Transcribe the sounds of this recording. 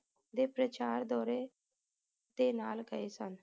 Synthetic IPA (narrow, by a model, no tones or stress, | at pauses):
d̪eːpɾət͡ʃaːɾd̪ɔːɾeː | d̪eːnaːlɡəeːsən